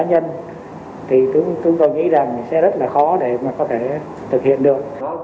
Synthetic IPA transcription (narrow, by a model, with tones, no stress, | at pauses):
aː˨˦ɲə˧n | t̪ʰi˨˩t̪ɨ˨˦t̪ɨ˧˦ŋkɔ˨˩jŋḭ˧˥za˨˩ŋsɛ̰˧˥zə˦˥t̚laː˨˩xɔ˨˦ɗe˧˩maː˨˩kɔ˨˦t̪ʰe˧˩ | t̪ʰɨ˨˩k̚hḭ˧˨ənɗɨ˨˩ək̚